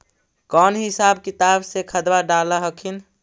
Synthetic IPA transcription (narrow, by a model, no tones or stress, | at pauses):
kɔːnɦɪsaːb̚kɪt̪aːbsekʰəd̪waɖaːləɦəkʰin